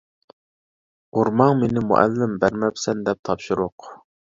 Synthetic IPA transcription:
uɾmɑŋmenɪmṵʔɛ̰lːɪmbæɾmɛpsɛnd̪ɛp̚t̪ʰɑpʃuɾʊq

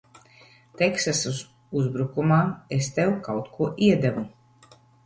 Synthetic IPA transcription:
t̪ɛksasuz | uzbɾukumaːest̪ɛwkawt̪kʰuɔʔiɛd̪ɛvu

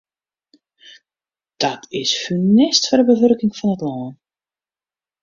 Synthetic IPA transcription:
d̥ɔtʰɪsfynɪstfɔrdəbəvørkɪŋfɔnətlɔːən

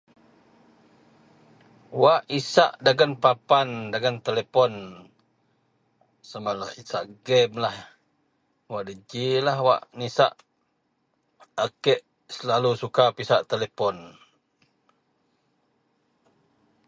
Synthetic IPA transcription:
waʔisa̰ʔdaɡənpapandaɡənt̪elepɔn | səmalahisaʔɡɛmlah | waʔdəd͡ʒilahwa̰ʔnisa̰ʔ | akɛʔ | səlalusukapisaʔt̪elepɔn

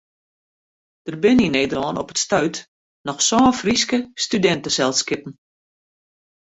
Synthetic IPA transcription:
d̥ərbɪnineːdərɔːnɔpətstœɥt | nɔxsɔːfriskəstydɛntəsɛlˠskɪpən̩

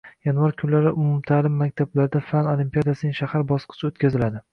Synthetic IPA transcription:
janvaɾkʲʰʊnlaɾɪʔʊmʊmt̪ʰaːlɪmːakʲt̪ʰablaɾɪd̪afanolimpijad̪asɪnɪŋʃahaɾbɒsqʰɨ̥t͡ʃʰɪot̪kʲʰazɪlad̪ɪ

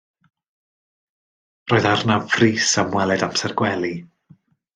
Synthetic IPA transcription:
roːðarnafriːsamwɛlˠɛdamsɛrɡwɛlˠi

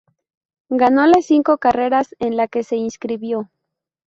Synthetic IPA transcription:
ɡano̞lesiŋko̞kare̞ɾase̞nlake̞se̞inskɾiβjo̞

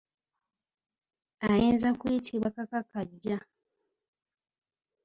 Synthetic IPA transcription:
ajeːnzakuitʰiβwakakakaɟːa

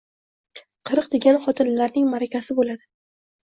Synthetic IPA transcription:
qʰɨɾɨqd̪e̞ɡʲanχɒt̪ʰɪnlaɾnɪŋmaɾakʲʰasɪbolad̪ɪ

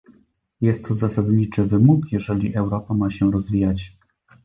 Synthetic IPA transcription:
jɛst̪ʰːɔzasad̪ɲit͡ʂɘvɘmukjɛʐɛlʲiʔɛwɾɔpamaɕɛɾɔzvʲijat͡ɕ

